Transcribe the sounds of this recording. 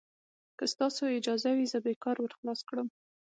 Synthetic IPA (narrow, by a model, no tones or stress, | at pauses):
kəst̪ɑsoɪd͡ʒɑzawizəbekɑɾwəɾxlɑskɽəm